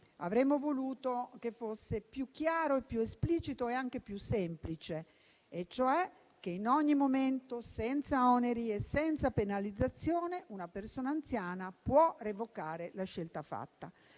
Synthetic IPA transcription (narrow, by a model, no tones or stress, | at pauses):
a̰vɾemːovoluːt̪ok̟efːosːepjuk̟ːjaːɾoepːjuespliːt͡ʃit̪oeaŋk̟epjusːɛmplit͡ʃeː | t͡ʃːoɛ | k̟ːeinɔɲːimoment̪osɛnt̪saɔneɾiesɛnt̪sapenalid̪zːat̪sːjoːneʔunapersoːnaːnt̪sjaːnapwɔrevokaːɾelaʃːelt̪afa̰t̪ːa̰